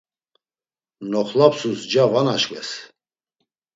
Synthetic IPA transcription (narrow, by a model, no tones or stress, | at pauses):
nɔχlapsusd͡ʒavanaʃkʼɛ̰s